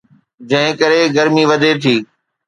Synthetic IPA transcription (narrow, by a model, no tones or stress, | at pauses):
d͡ʑɐ̃ɦɪ̃kɐɾeɡɐɾmiʋɐd̪ʱet̪ʰiː